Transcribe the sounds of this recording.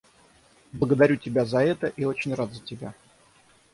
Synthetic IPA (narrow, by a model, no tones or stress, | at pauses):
blˠəɡəd̪ɐɾʲutʲɪbʲazɐɛt̪əʔio̞t͡ɕɪnʲrat̪zətʲɪbʲa̰